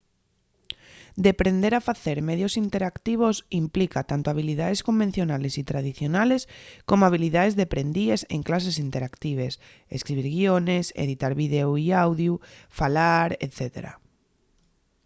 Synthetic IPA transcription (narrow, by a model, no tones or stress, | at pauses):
d̪epɾend̪eɾafaθeɾmeðjosint̪eɾakt̪iβ̞osimplikat̪ant̪oaβ̞ilið̞aðeskombẽn̟θjonalesit̪ɾað̞iθjonaleskomoaβ̞iliðaðezðepɾend̪iesḛŋklas̬esint̪eɾakt̪iβ̞es | ḛskɾiβiɾɣionesḛð̞it̪aɾβið̞ewiawðjufalaɾḛt̪θet̪ḛɾa̰